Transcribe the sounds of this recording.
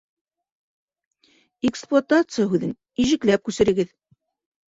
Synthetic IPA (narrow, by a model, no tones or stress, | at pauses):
eksplˠat̪at̪sɨjəɦʉðɘn | iʒɘ̆klæp̚kʉsɘ̆ɾɘ̆ɡɘð